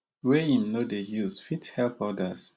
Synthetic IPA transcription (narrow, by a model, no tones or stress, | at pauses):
wɛĩmnodejuzfithɛlpɔdəs